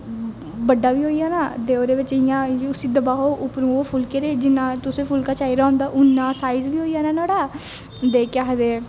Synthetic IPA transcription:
bəɖːaːʋiːɦoːiːjaːnaːd̪eːoːɾeːʋɪt͡ʃɪjãːʊsĩːd̪əbaːɦoːʔʊpnũːoːpʰʊlkeɾeːd͡ʒɪnːãːt̪ʊsẽːpʰʊlkaːt͡ʃaːiɾaːɦõːnd̪aːʔʊnːãːsaːizʋiːɦoːijaːnaːnaːɽaː | d̪eːkaːɦd̪eː

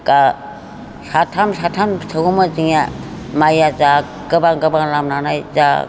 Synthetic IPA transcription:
ka | satʰamsatʰamsʰəɡumaziŋa | majaza | kəbaŋɡəbaŋlamnanajza̰

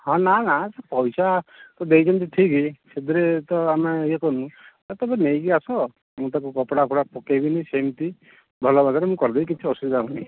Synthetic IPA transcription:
hɔ̃nanasepɔjsat̪ɔd̪ejd͡ʒɔmt̪̬it̪ʰikised̪iɾet̪ɔamejekɔnũt̪at̪ɔbɔnejkiasɔ | mũt̪akukɔpɽakʰɔɽapɔkebinisemt̪i | bʱɔlɔbʱaɡaɾemũkɔɾd̪eik̬it͡ʃʰiɔsud̪id̪akɔni

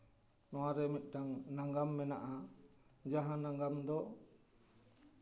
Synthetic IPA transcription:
nɔwaɾɛmit̪̚ˀʈaŋnaŋɡamːɛna̰ʔa | d͡ʒaɦãnaŋɡamd̪ɔ

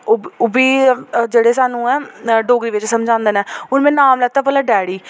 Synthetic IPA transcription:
ʊbiːd͡ʒeːɽeːsaːnũːɛːɖoːɡɾiːʋɪt͡ʃsəmd͡ʒãːnd̪enɛːʊnmɛ̃ːnaːmlɛːt̪aːpəlaːɖɛːɽiː

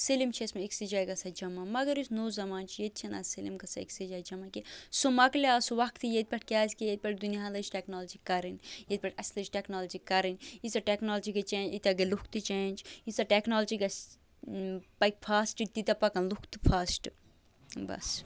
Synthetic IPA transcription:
selimt͡ʃʰiɐsmɐeksid͡ʒaːjɡɐsɐd͡ʒɐmamɐɡɐɾusnoːzɐmaːnt͡ʃʰijet̪̚t͡ʃʰena̰ːsilimɡɐsaḛksid͡ʒaːjd͡ʒɐmakisomɐklaːsuʋɐkt̪ijet̪̚pʲɐʈ̚ʰkʲaːzʲkijet̪̚pʲɐʈ̚d̪unijaːlɐd͡ʒʈeknoːld͡ʒikɐɾinjet̪̚pʲɐʈɐslɐd͡ʒʈeknoːlɐd͡ʒikɐɾinisɐʈeknoːld͡ʒikɐt͡ʃeːnd͡ʒit̪ʲɐɡɐlukʰt̪ɨt͡ʃeːnd͡ʒisɐʈeknoːld͡ʒiɡɐs | pɐjkpʰaːsʈit̪it̪ɐpɐkɐnlukʰt̪ɨ̥pʰaːsʈ | bɐ̰s

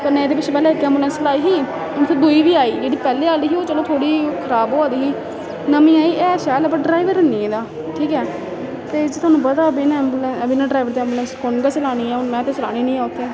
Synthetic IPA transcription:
kəɾnẽːeːd̪eːpɪt͡ʃpɛːleːɪkːeɛːmbuːlɛnslaːiːɦiː | ʊnt̪ʰeːd̪ʊiːʋiːaːiːd͡ʒeːɽiːpɛːleːaːliːɦiːoːt͡ʃəloːt̪ʰoːɽiːkʰəɾaːboːaːd̪iːɦiː | nəmĩːaːiːʔɛːʃɛːləp̬ə̃ɖɾaːɪʋəɾənːĩːɛ̃ːd̪aː | ʈʰiːkɛː | t̪eːd͡ʒeːt̪ʰʊaːnũːpət̪aːəbinɛːmbuːlɛəbiːnãːɖɾaːɪʋəɾt̪eɛ̃ːmbulənskʊnɡat͡ʃlaːɽ̃iːɛːʊnmɛ̃ːt̪eːt͡ʃəlaːɽ̃iːnĩːaːʊt̪ʰːeː

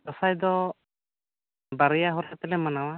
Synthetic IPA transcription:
ɔsajd̪ɔ | baɾɛjaɦɔɾat̪ɛlɛmanawa

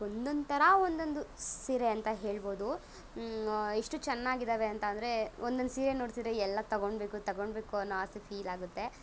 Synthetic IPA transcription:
ond̪ond̪t̪ɐɾɐond̪o̞nd̪usiːɾeɐnt̪ɐɦeːɭbo̞ːd̪u | iʂʈut͡ʃɛnːaːɡid̪aʋeɐnt̪ɐːnd̪ɐɾe̞ond̪onusiːɾenoːɖt̪id̪ɾeɛlːɐt̪ɐɡoɳɖbe̞ːkut̪ɐɡoɳɖbeːkuɐnːoast̪ipʰiːlaːɡut̪ːe̞

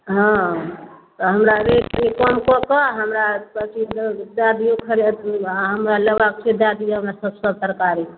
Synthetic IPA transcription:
ɦɔ̃ | t̪ɔɦəmɾaɾekikɔmkɔkɔɦəmɾabəsid̪ad̪ijokʰəɾed̪ɦəmɾaləbak̚t͡ʃʰid̪ad̪ijɦəmɾasəbsəb̚t̪əɾkaɾi

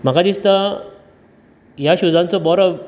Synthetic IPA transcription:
m̤akad̪ist̪a | jaɕud͡zãnt͡sɔbɔɾɔ

